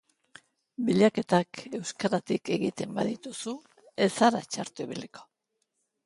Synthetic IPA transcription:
biʎake̞t̪ake̞wskaɾat̪ike̞ɣit̪e̞mba̰ðit̪usu | e̞saɾa̰t͡ʃaɾt̪uiβiliko̞̥

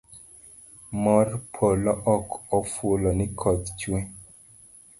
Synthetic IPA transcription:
mɔrpʰolɔʔɔkɔfwolɔnɪkʰɔtt͡ʃwe

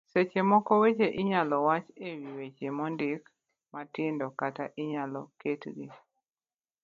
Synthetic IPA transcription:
set͡ʃemɔkɔwet͡ʃeʔɪɲalɔwat͡ʃewiwet͡ʃemɔndɪk | matɪndɔkataʔiɲalɔketɡi

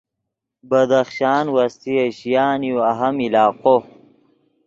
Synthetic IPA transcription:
bɐd̪ɐxʃaːnwɐst̪ieɕijaːnjuɐɦɐmilaːqo

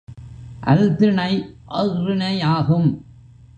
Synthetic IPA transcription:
ʔɐ̰lt̪ɪɳɐɪʔɐɣɾɯnɐɪaːɣɯm

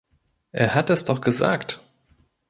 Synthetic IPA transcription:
ʔeːɐhatɛsd̥ɔχɡ̥əza̰ːkt

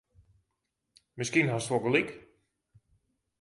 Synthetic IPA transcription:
mɪskinɦastʋɔkəlik

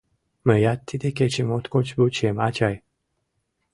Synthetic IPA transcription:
məjat̪ʰːit̪eket͡ʃimot̪kot͡ʃbut͡ʃemat͡ʃaj

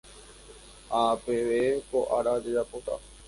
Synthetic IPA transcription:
apeʋekoʔaɾad͡ʒed͡ʒapot̪a̰

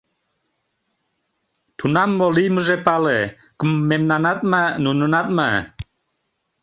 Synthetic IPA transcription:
t̪ʰunamːɔliməzepale | kəmːemnanat̪̚manunənat̪̚ma

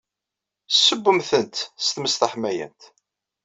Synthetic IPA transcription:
sːəbːəmθənt̪st̪məst̪æħmæjæ̰nt̪

